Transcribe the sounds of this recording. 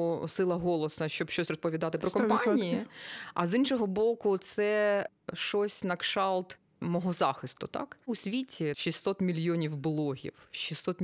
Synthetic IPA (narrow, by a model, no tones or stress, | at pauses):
sɪlˠɐɦɔlˠɔsnɐʃt͡ʃɔbʃt͡ʃɔsʲrɔspɔʋʲid̪ɑt̪ɪpɾɔkɔmpɑnʲijiɐ̰zinʃɔɦɔbɔkʊt̪sɛ | ʃɔsʲnɐkʃɑlˠt̪ | mɔɦɔzɑxɪst̪ʊt̪ɑ̰kʊsʲʋʲitʲʰiʃisʲɔt̪mʲilʲjɔnʲiwblˠɔɦʲḭwʃisːɔt̪